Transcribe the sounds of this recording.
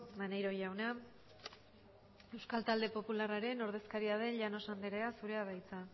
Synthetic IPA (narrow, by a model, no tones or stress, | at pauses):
mane̞jɾo̞ʝawna | e̞wskalt̪ald̪e̞po̞pularaɾe̞no̞ɾð̞e̞skaɾiaðe̞nʎano̞sand̪eɾeasuɾe̞aβajt͡sa